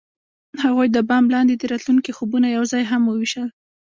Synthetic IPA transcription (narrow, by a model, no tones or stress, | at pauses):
haɣujd̪əbɑmlɑnd̪ed̪əɾɑt̪luŋkixobunajawzɑjɦamwəwiʃəl